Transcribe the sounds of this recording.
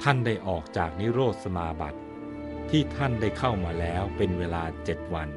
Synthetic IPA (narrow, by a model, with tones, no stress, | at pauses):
t̪ʰa˥˩nda˥˩jʔɔː˨˩k̚t͡ɕaː˨˩k̚ni˦˥ɾoː˥˩t̪̚sa˧maː˧ba̰˨˩t̪̚ʰː | iː˥˩t̪ʰa˥˩nda˥˩jkʰa˥˩wmaː˧lɛː˦˥wpe˧nweː˧laː˧t͡ɕe˨˩t̪̚wa˧n